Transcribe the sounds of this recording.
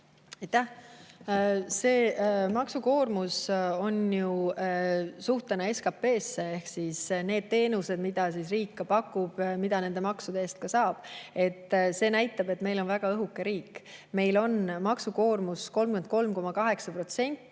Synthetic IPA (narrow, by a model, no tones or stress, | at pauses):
ɑjt̪ːæh | se̞ːmɑksuko̞ːrmuso̞nju | suht̪enee̞skɑpe̞ːsːee̞hksisne̞ːd̪̥̚t̪e̞ːnuse̞d̪mid̪̥ɑs̬isriːkːɑpɑkːˑub̥mid̪̥ɑne̞nd̪e̞mɑksud̪̥e̞eːst̪̚kɑsɑːb̥e̞t̪ːˑse̞næjt̪ːˑɑb̥e̞t̪me̞jlo̞nvæɡ̥ɑɤɦukːe̞ɾiːkːˑme̞jlo̞nmɑksuko̞ːrmusko̞lmkuen̚ko̞lmko̞mɑkɑɦe̞ksɑpro̞t̪se̞nʲt̪ːˑ